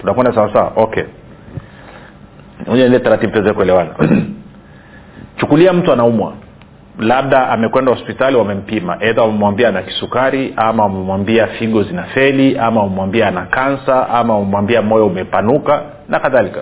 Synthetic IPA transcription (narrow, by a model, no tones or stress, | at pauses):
tunakwɛndasawasaa̰ʔɔkɛ̰ | uɲɛnilɛtaɾatiɓupɛzɛkuɛlɛwana̰ | t͡ʃukuliam̩tuanaumwa̰ | lab̚ɗaamɛkwɛndahɔspitaliwamɛm̩pima̰ʔɛðawamɛmwambianaki̥sukaɾiʔamawamɛmwambiafiɠɔzinafɛliʔamaumɛmwambiaːnakansaʔamaumɛmwambiamɔjɔumɛpanuka | nakaðalika